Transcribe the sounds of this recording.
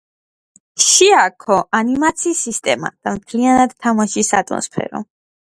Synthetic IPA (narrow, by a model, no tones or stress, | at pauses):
ʃiakʰɔʔanimat̪sʰiːsist̪ʼɛma̰d̪̥amt̪ʰlianad̪t̪ʰamaʃisat̪ʼmɔ̰nspʰɛ̰ɾɔ̰